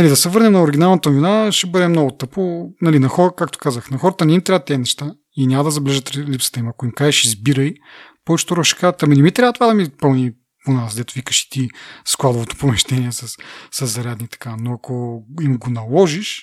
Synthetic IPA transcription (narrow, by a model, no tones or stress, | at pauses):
nɐlid̪ɐsɛvɤɾnɛmnɐoɾiɡʲinalˠnɐt̪ɐnovinaʃɛbɤd̪ɛmnɔɡʊt̪ɤponɐlinɐxɔɾəkak̚t̪o̥kazəxnɐxɔɾət̪ənɛimt̪ɾavət̪ːɛnɛʃt̪a | inʲamɐd̪ɐzɐblɛʒət̪lipsə̥t̪əimɐkoimkaʒɛʃizbiɾəjpɔvɛt͡ʃɛ̥t̪oɾoʃɛ̥kazət̪ɐminɛmit̪ɾʲavət̪o̥vad̪ɐmipɤlˠni | ponasd̪ɛt̪ovikə̥ʃi̥t̪isklˠad̪ovot̪o̥pomɛʃt̪ɛniɛsɐssɐzːɐɾʲad̪nit̪ɐ̥kanoɐkoimɡonɐlˠɔʒiʃ